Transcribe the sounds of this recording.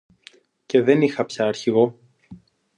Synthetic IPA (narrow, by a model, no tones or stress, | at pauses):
ce̞ðe̞nixɐpçɐːɾçiɣo̞